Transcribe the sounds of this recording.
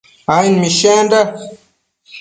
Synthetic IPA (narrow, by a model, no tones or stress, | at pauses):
ajinmiʃanda